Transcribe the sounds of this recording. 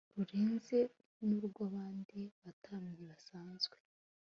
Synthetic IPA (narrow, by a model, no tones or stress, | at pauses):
ɾuɾeːnze̞ | nuɾuɡaβaːndiβatʰaːmɲiβasaːnzɡwe